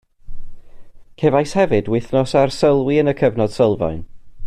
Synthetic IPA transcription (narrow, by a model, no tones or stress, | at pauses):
kʰevajshɛvɨdwɪθnɔsarsəlˠwiənəkʰəvnɔd̥səlˠvɔ̰ɨn